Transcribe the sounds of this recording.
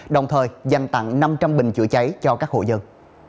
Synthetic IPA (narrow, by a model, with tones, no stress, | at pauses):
ɗə˨˩wŋ͡mt̪ʰəː˨˩jza˨˩jŋ̟t̪a̰˧˨ŋna˧mt͡ɕa˧mɓï˨˩ŋ̟t͡ɕɨ̰˧ət͡ɕa˨˦jt͡ɕɔ˧kaː˦˥k̚ho̰˧˨zə˧ŋ